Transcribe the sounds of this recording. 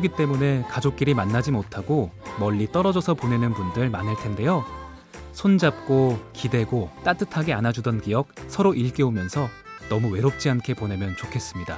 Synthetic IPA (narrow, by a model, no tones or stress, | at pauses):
kɯɡit͈e̞mune̞kad͡ʑok̚k͈iɾimanːad͡ʑimotʰaɡomʌʎːit͈ʌɾʌd͡ʑʌsʰʌpone̞nɯnbundɯɭmanɯɭtʰe̞nde̞jo | sʰond͡ʑap̚k͈okide̞ɡot͈at͈ɯtʰaɡeanad͡ʑudʌnkijʌk̚sʰʌɾoʔiɭk͈eomjʌnsʰʌ | nʌmuwe̞ɾop̚t͡ɕ͈iankʰe̞pone̞mjʌnt͡ɕokʰe̞s͈ɯmɲida̰